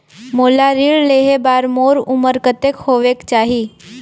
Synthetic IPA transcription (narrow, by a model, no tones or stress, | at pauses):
moːlaɾiːɭleːɦebaːɾmoːɾʊməɾkət̪ekhoːʋekt͡ʃaːɦi